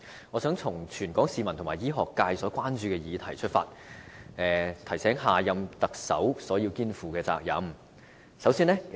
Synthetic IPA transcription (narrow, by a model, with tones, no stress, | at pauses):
ŋɔː˨˧sœː˨˥ŋt͡sʰʊ˨˩ŋt͡ʃʰyː˨˩nkɔː˨˥ŋsiː˨˧mɐ˨˩nt̪ʰʊ˨˩maː˨˩jiː˥ɦɔː˨kːaː˧jsɔː˨˥kʷwaː˥nt͡ʃyː˧kɛː˧jiː˨˧t̪ʰɐ˨˩jt͡ʃʰɵ˥t̚fa̰ː˧t̚ | ɛː˨˩t̪ʰɐ˨˩jsɛː˨˥ŋɦaː˨jɐ˧mt̪ɐ˨k̚sɐ̰˨˥wsɔː˨˥jiː˧wkiː˥nfuː˨˩kɛː˧t͡sa̰ː˧k̚jɐ̰˨˥m | sɐ˨˥wsiː˥nɛː˥